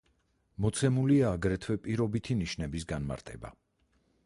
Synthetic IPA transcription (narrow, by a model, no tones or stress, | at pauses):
mɔt̪sʰɛmuliaːɡɾɛt̪ʰwɛpʼiɾɔbit̪ʰiniʃnɛbisɡanma̰ɾt̪ʼɛ̰ba̰